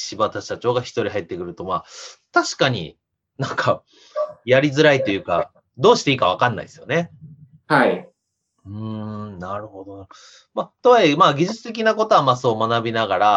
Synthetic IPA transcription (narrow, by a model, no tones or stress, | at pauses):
ɕibat̪ḁat͡ɕo̞ːɡaçi̥t̪o̞ɾʲiɦait̪ːekɯ̟ɾɯ̟t̪o̞maːt̪aɕi̥kaɲ̟ḭ | nãŋkʰa | jaɾʲizɨɾait̪o̞jɯ̟ːka̰ | d̪o̞ːɕi̥t̪e̞iːkaβ̞akanːa̰ḭsɨjo̞ne̞ | hai | ɯ̟̃ːnaɾɯ̟ho̞d̪onaɯ | mat̪oimaːɡʲiʑɨt͡sɨ̥t̪e̞k̬ʲinako̞t̪o̞amasoːmanabʲinaɡaɾa